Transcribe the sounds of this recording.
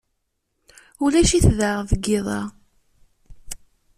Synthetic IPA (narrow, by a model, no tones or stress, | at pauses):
ulæʃiθðəʁðəɡːɪðˤɑ̰